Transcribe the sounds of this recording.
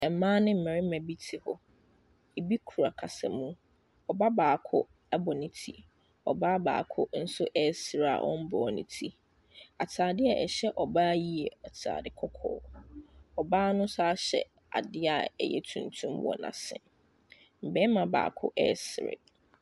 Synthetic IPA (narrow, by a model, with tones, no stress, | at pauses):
ɛ˨m˨mãː˦nɪ̃˦m̩˨mɛ̃˨ɾɪ˦mɛ̃˨bi˦tʰi˨hʊ˦ | e˨bi˦kʰu˨ɾa˨kʰa˨sã̰˨mũ˦ | ɔ˨ba˦baː˨kʰʊ˦ | ɛ˦bɔ˨nɪ̃˨tʰi˦ | ɔ˨ba˦ba̰ː˨kʰʊ˦n̩˦sʊ˦ʔɛ˦sɾa̰˨ʔɔ̰̃˦m̩˦bɔ˨nɪ̰̃˨tʰi˦ | a˨tʰaː˨dɪ˦ɛ˨ʔɛ̰˨ɕɛ˦ʔɔ˨baː˦ji˦ɛ˨a˨tʰa̰ː˨dɪ˨kʰɔ˦kʰɔ̰ː˦ | ɔ˨baː˦nʊ̃˦saː˦ɕɛ̰˨ | a̰˨dɪ˦a˨ɛ̰˦jɛ̰˦tʰũ˨n˨tʰũ˦mwɔ̰˨nã̰˨sɪ̰̃˦˨ | m̩˨bɛ̃˦mã˨ba̰ː˨kʰʊ̰˦ʔɛ̰˦sɪ˨ɾɪ̰˨